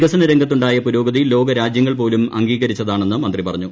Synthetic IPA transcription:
ɣɐsɐnɐɾe̞ŋɡʱɐt̪ːuɳɖaːjɐpuɾo̞ːɡɐðilːo̞ːɡɐɾaːd͡ʑjɐŋːɐɭp̬o̞ːlumɐ̰ŋɡiːɣɐɾit͡ɕːɐðaːɳe̞nːɨmɐnd̪ripɐrɐɲːu

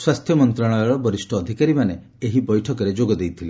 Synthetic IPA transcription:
swast̪ʰjɔmɔnt̪ɾaɽ̃ɔɾɔbɔɾisʈʰɔːd̪ʱikaɾimane | eɦibɔjʈʰɔkɔɾed͡ʒoɡɔd̪ejt̪ʰile

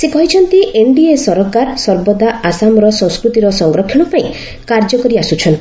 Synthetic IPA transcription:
sekɔɦit͡ʃʰɔnt̪iʔeɳɖiesɔɾɔkaɾsɔɾbɔd̪aasamɔɾɔsɔ̃wskɾut̪iɾɔsɔŋɡɾɔkʰːiɽ̃ɔpaĩ | kaɾd͡ʒɔkɔɾiasut͡ʃʰɔn

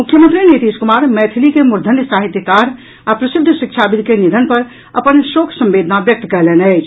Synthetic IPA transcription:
mukʰːjəmə̃nt̪ɾinit̪iskumaɾmɛt̪ʰilikemuɾd̪ʱənjəsaɦit̪jəkaɾ | apɾəsid̪ʱːʃikt͡ʃʰabid̪ʱkenid̪ʱənpəɾ | ə̰pənʃokʰsə̃mbed̪ʱnabjək̚t̪kɛɦlɛnəɪt͡ʃʰ

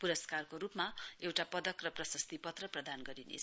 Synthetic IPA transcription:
puɾʌskarkoɾupmaewʈapʌd̪ʌkrʌprʌsʌst̪ipʌt̪rʌprʌd̪anɡʌɾinḛt͡sʰ

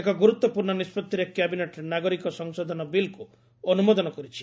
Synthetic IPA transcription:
ekɔɡuɾut̪wɔpuɾɳɔnispɔt̪ːiɾekjabineʈɔɾenaɡɔɾikɔsɔŋsɔd̪ʱɔnɔbilku | ɔnumɔd̪ɔnɔkɔɾit͡ʃʰi̥

